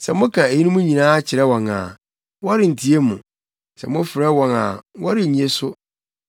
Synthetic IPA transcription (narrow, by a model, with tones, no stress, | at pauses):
sɛ˨mʊ̃˦kʰã˨e˨ji˦nũ˦mʊ̃˦ɲĩ˨nãː˦t͡ɕʰɪ˨ɾɛ˦wɔ̃˨na̰˨ | wɔ˦ɪ˨n̩˨tʰi˨e˦mʊ̃˨ | sɛ̰˨mʊ̃˦fɪ˨ɾɛ˦wɔ̃˨na̰˨wɔ˦ɾɪ˨ɲĩ˨e˦sʊ˦